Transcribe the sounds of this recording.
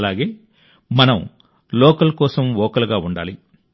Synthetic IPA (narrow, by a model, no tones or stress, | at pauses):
laːɡe̞ː | mɐnɐm | lɔːkɐlɐkɔːsɐmʋɔːkɐlɡaːuɳɖa̰ːli